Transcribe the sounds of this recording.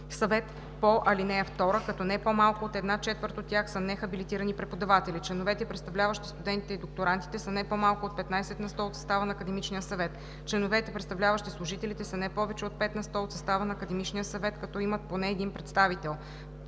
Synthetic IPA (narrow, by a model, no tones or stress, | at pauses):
sɐvɛt̪ | poʔɐlinɛft̪ɔɾəkɐt̪ɔnɛpomalˠkʊot̪ɛd̪nat͡ʃɛt̪vəɾt̪ot̪ʲːjaxsənɛxɐbilit̪iɾənipɾɛpod̪ɐvat̪ɛlit͡ʃlɛnovɛt̪ɛpɾɛt̪st̪ɐvlʲavəʃt̪i̥st̪ud̪ɛnt̪it̪ɛid̪ok̚t̪oɾant̪i̥t̪ɛsənɛpomalˠkʊot̪̚pɛt̪najsɛt̪nɐst̪ɔot̪sɐ̥st̪avənɐːkəd̪ɛmit͡ʃnijəsɐvɛt̪ | t͡ʃlɛnovɛt̪ɛpɾɛt̪st̪ɐvlʲavəʃt̪islˠʊʒit̪ɛlit̪ɛsənɛpɔvɛt͡ʃɛot̪̚pɛt̪nɐst̪ɔot̪sɐst̪avənɐːkɐd̪ɛmit͡ʃnijəsɐvɛt̪kɐt̪ɔimɐt̪̚ponɛːd̪inpɾɛt̪st̪avit̪ɛlˠ